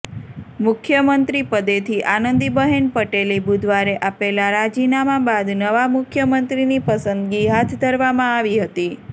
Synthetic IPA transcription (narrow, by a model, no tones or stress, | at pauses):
mʊkʰjəmənt̪ɾipəd̪et̪ʰiʔanənd̪ibəɦenpəʈelibud̪ʱʋaɾeʔapelaɾad͡ʒinamãbad̪nəʋamʊkʰjəmənt̪ɾinipəsənd̪ɡiɦat̪ʰd̪ʱəɾʋamãaʋiɦət̪i